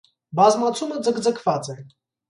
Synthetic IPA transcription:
bɑzmɑt͡sʰuməd͡zəkd͡zəkʰvɑt͡sɛn

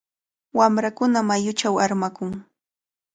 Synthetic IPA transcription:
wamɾakʊnamajʊt͡ʃawaɾmakʊŋ

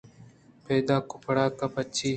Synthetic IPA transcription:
peːd̪aːkʊpɽaːkɐpət͡ʃʰiː

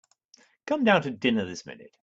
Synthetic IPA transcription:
kʰʌ̃mdãʊ̃ntɨdɪ̃nəðɪsmɪ̰̃nɨ̰t̚

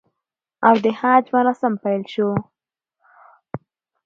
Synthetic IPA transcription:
awd̪əhɑd͡ʒmaɾɑsampajlʃu

